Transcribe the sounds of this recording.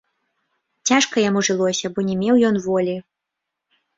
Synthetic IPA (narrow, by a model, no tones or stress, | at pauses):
t͡sʲaʂkɐjamuʐɨlˠɔsʲɐbɔnʲɛmʲɛwjɔnvɔlʲi